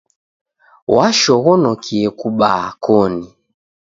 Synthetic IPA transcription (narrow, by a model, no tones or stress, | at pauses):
waʃɔɣɔnɔkʰiɛkuɓakʰɔni